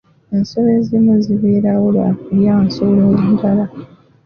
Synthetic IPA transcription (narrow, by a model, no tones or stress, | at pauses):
ensoβezimuziβeɾawula̰uljaːnsololintala